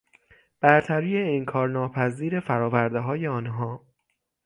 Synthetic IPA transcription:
b̥æɾt̪ʰæɾiːeiŋkʰɒːɾnɒːpʰæziːɾe̞fæɾɒːvæɾd̪eɦɒːjeɒːnɦɒː

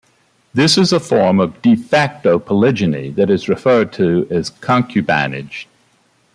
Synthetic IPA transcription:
ðɪsɨzəfɔɹmʌvdɨfæk̚toʊpʰəlɪd͡ʒɨnḭðɨɾɨzɹɨfɜ˞d̚tʰɨɨz̥kʰɑ̃ŋkʰjʉbæ̰nɪ̰̥d͡ʒ̥

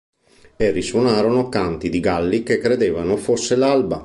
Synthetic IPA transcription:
erːiswonaːɾonokant̪id̪iɡalːikekːɾed̪eːvanofosːelalba

